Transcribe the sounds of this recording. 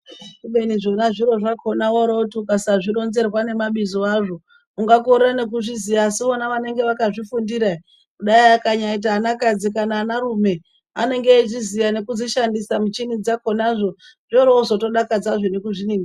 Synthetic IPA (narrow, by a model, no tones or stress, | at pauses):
ɓeniʐonaʐiɾo̞ʐakʰo̞nawoɾautiukasaʐiɾo̞nze̞rwane̞maɓizoaʐo̞ | uŋɡakorrane̞k̬uʐizijaːsiʋonaʋane̞ŋɡe̞ʋakaʐifundiɾai | kuɗaiakaɲait̬aːnakad͡zikanaːnaɾume̞ | a̰ne̞ŋɡeʐizijane̞kud͡ziʃandisamut͡ʃinid͡zako̞naʐo̞ | ʐ̥ioɾouzo̞to̞ɗakad͡zaʐo̞nekuʐiniŋɡi